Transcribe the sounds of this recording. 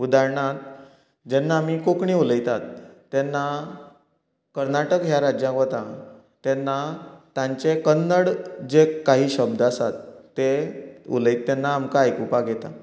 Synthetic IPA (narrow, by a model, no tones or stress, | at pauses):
ud̪aɾɳat̪̚ | d͡ʑɛnːamiːkokɳiuləjt̪at̪ː | ɛnːa | kəɾnaʈəkɦjaɾad͡ʑjãkɔt̪ã | t̪ɛnːat̪jãɲt͡ɕekənːəɽd͡ʑekaɦiːɕəb̚d̪əasat̪ːeṵləit̪ːɛnːaːmkaːjkupaɡʱet̪a̰